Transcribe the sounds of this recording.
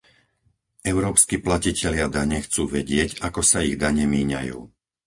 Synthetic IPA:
ʔɛʊɾɔːpskiplacicɛlɪad̪aɲɛxt͡suːʋɛɟɪɛɟakɔsaiɣd̪aɲɛmɪɛːɲa̰jṵː

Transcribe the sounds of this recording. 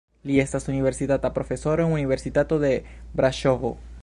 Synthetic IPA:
ljest̪asuniβeɾsit̪at̪apɾofesoɾeŋuniβeɾsit̪at̪oðebɾaʃoɣo̰

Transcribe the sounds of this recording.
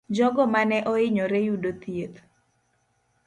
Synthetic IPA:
d͡ʒɔɡɔmanɛʔɔɪɲɔɾejudot̪iet̪

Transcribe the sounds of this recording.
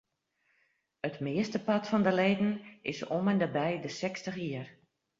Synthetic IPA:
ətmɪːəstəpɑtfɔndəleːdn̩ɪ̰soməndəbɛjdəsɛkstəxiər

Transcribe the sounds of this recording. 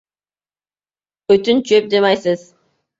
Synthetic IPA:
ɵt̪ɪnt͡ʃʰep̚d̪emæjsɪz̥

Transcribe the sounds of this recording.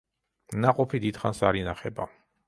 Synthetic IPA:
naqʼɔpʰid̪id̪̥χansaɾinaχɛba

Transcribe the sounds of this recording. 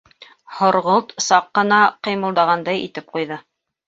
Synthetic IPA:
hŏɾʁolˠt̪sɑqːɤ̆nɑqɤ̆jmɤ̆lˠd̪ɑʁɑnd̪ɑjḭt̪ɘp̚qujðɤ

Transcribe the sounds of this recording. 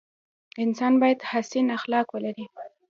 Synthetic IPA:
ɪnsɑnbɑjad̪hasinaxlɑkwəlaɾi

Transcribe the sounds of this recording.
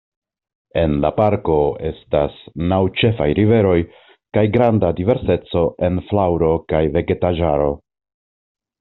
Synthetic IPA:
e̞nla̰paɾko̞e̞̰stasnawt͡ʃe̞fa̰jɾive̞ɾo̞j | kajɡɾandadive̞ɾse̞t͡so̞ʔe̞nflawɾo̞kajve̞ɡe̞taʒaɾo̞

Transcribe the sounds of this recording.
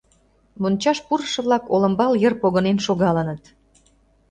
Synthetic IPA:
mont͡ɕɑʃpuɾə̆ʃɤ̆βlɑkolə̆mbɑljərpoɣənenʃoɣɑlənət̪

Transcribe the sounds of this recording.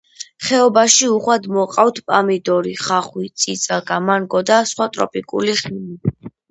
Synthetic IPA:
χɛɔbaʃiuχwad̪mɔqʼaft̪ʰpʼamid̪ɔɾiχaχwit̪sʼit̪sʼaɡamanɡɔd̪asχwat̪ʼɾɔ̰pʼikʼṵliχini

